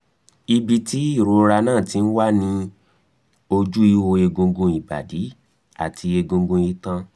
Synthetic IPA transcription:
i˧bi˧ti˦i˦˨ɾo˧ɾa˧nãː˦˨ti˨˦˧n̩˦wa˦nĩ˧˦ | o˧d͡ʒu˦i˦ho˧e˧ɡõ˧ɡũ˧i˨ba̰˨di˨˦ | a̰˦˨tʰi˧e˧ɡõ˧ɡũ˧i˧tã˧

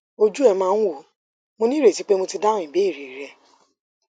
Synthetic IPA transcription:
o˧d͡ʒu˦ɛ˧mãː˦˧n̩˦wo˨ | mõ˧nĩ˦ɾe˨ti˨˦k͡pe˦mõ˧ti˧dã˦ĩ˨be˨˦i˦˨ɾi˨i˨ɾɛ˧˨

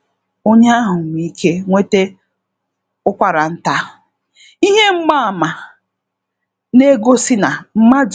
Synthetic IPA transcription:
o˦ɲe˦a˦ɦʊ˨ŋ˨i˦kʰe˦ŋʷe˦te˦ | ʊ˦kʷa˨ɾa˨n̩˦ta˦˨ | i˦ɦe˦ŋ͡m̩˦ɡ͡ba˦a˨ma˨ | ne˦ɡo˦si˦na˨m̩˦ma˦d͡ʒ

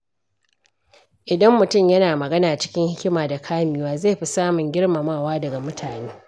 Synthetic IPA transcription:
ʔɪ˨dɐ˦mːʊ˨tʊ˦˨mjɐ˦naː˨mɐ˨ɡɐ˦naː˨t͡ʃɪ̥˦kʲɪ˦ŋhɪ˦kʲɪ˦maː˨da˨kʰaː˦miː˨waː˦zeː˦˨jɸi˦saː˦mʊ˨ŋɡʲɪ˦ɽma˨maː˦˨waː˦dɐ˨ɡa˨mʊ˦tʰaː˨neː˦

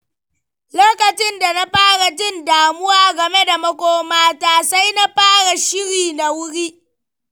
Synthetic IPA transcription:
loː˦kɐ˨t͡ʃɪ˦nda˨na˦ɸaː˦ɽa˨d͡ʒɪ˦ndaː˨mʊ˦waː˦ɡɐ˨me˦da˨mɐ˦kʷoː˦maː˦taː˨sa˦jna˦ɸaː˦ɽa˨ʃɪ˦ɽiː˨na˨wʊ˦ɽiː˦

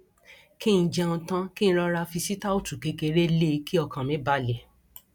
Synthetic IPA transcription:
kĩ˦˧d͡ʒɛ˧n̩ũ˧tã˦kĩ˦ñ̩˦ɾɔ˧ɾa˧fi˧si˦ta˦o˦˨tu˨ke˨˧ke˧ɾe˦le˦ki˦ɔ˧kã˨mĩ˨˦ba˧˦lɛ˨

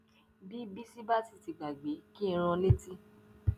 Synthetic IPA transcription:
bi˦bi˦si˦ba˦ti˦˨ti˨ɡ͡ba˨ɡ͡be˨˦ki˦˧ɾ̃ã˧le˦ti˦

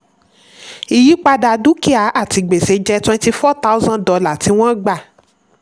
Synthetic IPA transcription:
i˨ji˨˦k͡pa˧da˧du˦ki˦a˨˦ʔa˦˨ti˧ɡ͡be˨se˧d͡ʒɛ˧˦tɛ̃˦n˦ti˧˦fɔ˦ta˦u˦zã˦dɔ˨˧la˨ti˨˦w̃ɔ̃˦ɡ͡ba˦˨

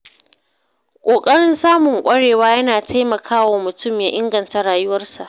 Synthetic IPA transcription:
kʷʼoː˨kʼɐ˦ɽɪ˦nsaː˦mʊ˨ŋkʷʼɐ˦ɽeː˨waː˦jɐ˦naː˨tʰa˦jmɐ˨kʰaː˦waː˨mʊ˨tʊ˦mjaː˦ʔɪ˦ŋɡɐ˨nta˨ɽaː˨jʊ˦wɐ˦rsa̰˨ʔ

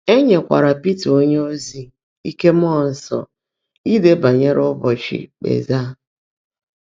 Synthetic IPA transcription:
e˦ɲe˨kʷa̰˨ɾa˨pi˦to˦ɲe˦o˦zi˦ | i˦ke˦m̩˦ɔ˦˨n̩˦sɔ̰˨ | i˦de˦ba˨ɲe˦ɾʊ˦bɔ˨t͡ʃɪ̰˨k͡pḛ˨za˦

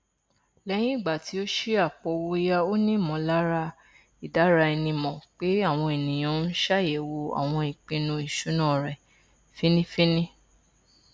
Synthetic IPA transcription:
lɛ˦j̃ĩ˦i˦˨ɡ͡ba˨ti˨˦o˦ʃe˦a˦˨k͡pɔ˧wo˧i˦ja˧o˦nĩ˦˨mɔ̃˨˦la˦ɾa˧ | i˨da˨˦ɾa˧ɛ˧nĩ˧mɔ̃˨k͡pe˨˦a˦˨w̃ɔ̃˧e˨nĩ˨j̃ã˨˧˦n̩˦ʃa˦jɛ˨wo˧a̰˨w̃ɔ̃˧i˨k͡pĩ˧nũ˧i˨ʃu˨˦nã˦˨ɾɛ˨ | fi˦nĩ˦fĩ˦nĩ˦

